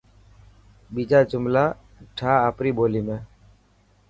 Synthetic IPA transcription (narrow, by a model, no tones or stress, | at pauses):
biːd͡ʒaːd͡ʒʊmlaː | ʈʰaːaːpɾiːboːliːmẽː